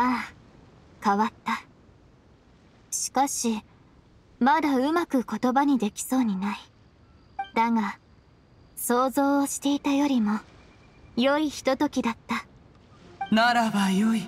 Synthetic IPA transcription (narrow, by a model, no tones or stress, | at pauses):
aː | kaβat̪ːa | ɕi̥kaɕi | mad̪aɯ̟makɯ̟ko̞t̪o̞baɲ̟id̪e̞kʲi̥so̞ːɲ̟inai | d̪aŋa | so̞ːzo̞ːɕi̥t̪e̞it̪ajo̞ɾʲimo̞ | jo̞içi̥t̪o̞t̪o̞kʲid̪at̪ːa | naɾabajoi